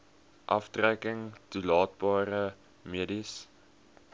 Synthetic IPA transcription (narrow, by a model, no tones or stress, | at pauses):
ʔɐftrækəŋtulɑːt̚bɑːɾə | miədis